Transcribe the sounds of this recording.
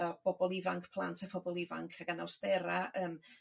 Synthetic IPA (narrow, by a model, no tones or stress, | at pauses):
ɔb̥ɔbɔlˠɪvaŋkʰpʰlˠa̰ntʰafɔbɔlˠɪva̰ŋkʰaɡanawsdɛɾaʔəːm